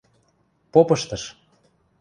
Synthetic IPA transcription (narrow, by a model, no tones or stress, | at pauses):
popɤʃt̪ɤ̆ʃ